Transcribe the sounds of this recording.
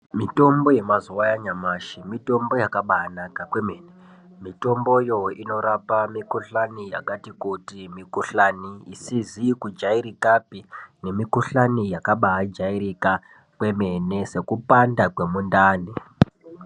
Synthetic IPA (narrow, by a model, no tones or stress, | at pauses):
mito̞mbo̞je̞mazuwajaɲamaːʃimito̞mbo̞jakaɓaanakakwemeːne | mito̞mbo̞jo̞ino̞ɾapamikuɬanijakatikutimikuɬaniisizikud͡ʒaiɾikapine̞mikuɬanijakaɓaad͡ʒaiɾika | kwe̞me̞ne̞se̞kupandakwe̞mundaːni